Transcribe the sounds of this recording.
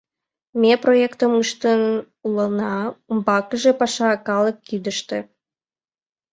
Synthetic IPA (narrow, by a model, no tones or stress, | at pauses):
mʲeprojekt̪ə̆mɯʃt̪ən | ulənɑumbɑkə̆ʒĕpɑʃɑkɑlˠə̆kːid̪ə̆ʃt̪ĕ